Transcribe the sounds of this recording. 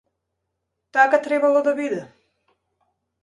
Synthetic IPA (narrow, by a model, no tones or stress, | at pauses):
t̪akat̪ɾɛbalˠɔd̪abid̪ɛ